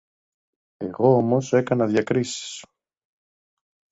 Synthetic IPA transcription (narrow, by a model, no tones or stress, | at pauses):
e̞̰ɣo̞omo̞se̞kɐnɐðʝɐkɾisi̥s